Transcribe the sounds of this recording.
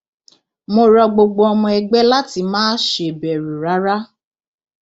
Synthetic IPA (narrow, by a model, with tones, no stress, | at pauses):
mo˧ɾɔ˧ɡ͡bo˧ɡ͡bo˧ɔ˧mɔ̃˧ɛ˧ɡ͡bɛ˦la˦ti˧˦mãː˦ʃe˧˨bɛ˨ɾu˨ɾa˨˦ɾa˦